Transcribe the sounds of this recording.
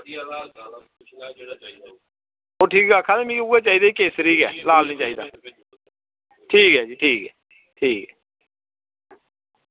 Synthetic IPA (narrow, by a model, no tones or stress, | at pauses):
oːʈʰiːkɡaːkʰaːlemĩkeuːeːt͡ʃaːiːd̪aːiːkeːsɾiːkɛ̰ːlaːlnĩːt͡ʃaːiːd̪a̰ː | ʈʰiːkɦɛːd͡ʒiːʈʰiːkɦɛː | ʈʰiːkɛ